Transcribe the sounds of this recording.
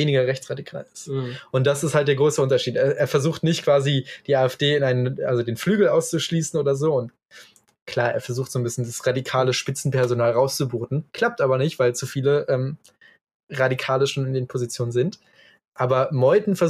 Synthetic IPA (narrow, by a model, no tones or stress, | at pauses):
eːnɪɡɐʁɛçt͡sʁ̥adikʰa̰ːlɪstʔʊnt̚d̥asɪsthalt̚d̥eːɐɡʁoːsəʔʊntɐʃiːteːɐʔeːɐfɛɐzuːxtnɪçtkv̥aːzid̥iːaːɛfd̥eːɪnaɪnənʔa̰lzodeːnflyːɡl̩aʊst͡suʃliːsn̩ʔoːdɐzoːʊnt | kʰl̥aːɐʔeːɐfɛɐzuːxtz̥oːnbɪsçəndasʁadikʰaːləʃpɪt͡sn̩pʰɛɐzonaːlʁaʊst͡subuːtn̩kʰl̥ap̚tʔaːbɐnɪçtv̥aɪlt͡sufiːləʔɛːm | ʁadikʰaːləʃoːnɪndeːnpʰozit͡sjoːnənzɪnt | ʔaːbɐmɔʏdn̩fɛɐ